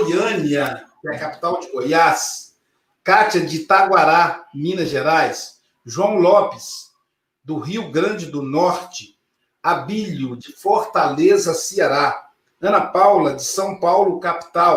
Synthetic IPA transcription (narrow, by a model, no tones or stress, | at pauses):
ojɐ̃niɐkɪɛkapi̥t̪awd͡ʒɪɡojas | kat͡ʃɐd͡ʒɪt̪aɡwaɾamĩnɐʒeɾajs | ʒuɐ̃w̃lɔpɪs | d̪ʊɦiwɡɾɐ̃d͡ʒɪd̪ʊnɔɾt͡ʃɪ̥ | abiʎʊd͡ʒɪfoɾt̪alezɐsiaɾa | ɐ̃nɐpawlɐd͡ʒɪsɐ̃w̃pawlʊkapi̥t̪aw